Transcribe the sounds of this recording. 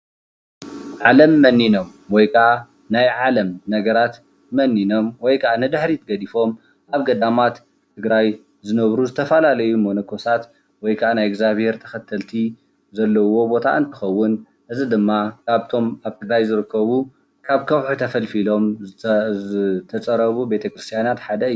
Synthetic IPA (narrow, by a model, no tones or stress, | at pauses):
ʕalɐmːɐnːino̞mwɔjkʰɐa | najʕalɐmnɐɡɐɾat̪ | mɐnːino̞mwɔjkʰɐʔanɨd̪ɨħɾit̪ʰɡɐd̪ifo̞m | ʔaβɡɐd̪amat̪ | t̪ʰːɨɡɾaj | zɨnɐβɾuzɨt̪ʰɐfɐlalɐjumonɐkʰo̞sat̪ | wɔjkʰaʔanajɪɡzaβhe̞ɾt̪ʰɐxɐt̪ʰːɐlt̪ʰi | zɐlːɐwo̞bo̞t̪ʰa̰ʔɨnt̪ʰɨxɐwːʊn | ʔɨzid̪ɨmːakʰaβt̪ʰo̞maβt̪ʰɨɡɾajzɨɾɨkʰːɐβu | kʰaβkʰɐβħut̪ʰɐfɐlfilo̞m | t̪ʰɐt͡sʼɐɾɐβube̞t̪ʰɐkʰɾɨst̪ʰjanat̪ħad̪ɐɨj